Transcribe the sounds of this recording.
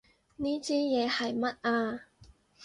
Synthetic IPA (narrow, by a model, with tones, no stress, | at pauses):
niː˥t͡siː˥jɛː˨˧hɐ˨jmɐ˥t̚aː˧